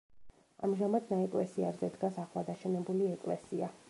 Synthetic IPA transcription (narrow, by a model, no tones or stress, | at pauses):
a̰mʒamad̪naɛkʼlɛsiaɾzɛd̪ɡasaχlˠad̪aʃɛnɛbuliɛkʼlɛ̰sia